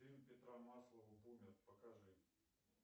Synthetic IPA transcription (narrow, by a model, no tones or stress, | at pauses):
imʲpʲɪt̪ɾamaslˠəvʊbumʲɪt̪̚pəkɐʐɨ